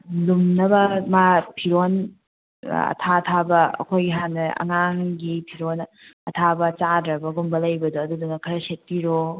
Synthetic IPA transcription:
lumnɐbɐmapʰiɾon | ɐ̰tʰatʰabɐɐ̰kʰojɡiɦanːɐɐ̰ŋaŋɡipʰiɾon | ɐtʰabɐt͡ʃadɾɐbɐɡumbɐlɐjbɐduɐdudunɐkʰɐɾɐset̚tiɾo

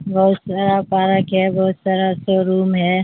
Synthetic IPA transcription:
bɔɦʊt̪saːɾapaːɾəkɦɛbɔɦʊt̪saɾasoɾuːmɦɛː

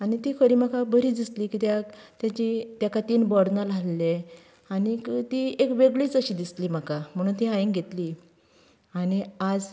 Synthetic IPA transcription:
anit̪ikʰəɾiːmakabəɾid̪ist̪liːkit̪jat̪jat͡ɕit̪jakat̪iːnbɔɽnalalːe | anit̪iekʋeɡɭiːt͡səɕiːd̪isliːm̤akam̤əɽ̃uːnt̪ĩaĩŋɡʱet̪liː | añiad͡z

